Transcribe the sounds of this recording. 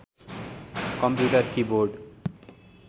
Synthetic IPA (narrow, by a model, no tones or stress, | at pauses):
kʌmpjuʈʌrkiboɾɖ